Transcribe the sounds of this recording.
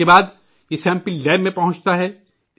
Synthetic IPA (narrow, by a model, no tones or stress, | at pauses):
ebaːd̪ | jesɛ̃ːmpɪllɛːbːẽpɐɦʊ̃nt͡ʃt̪aɦɛː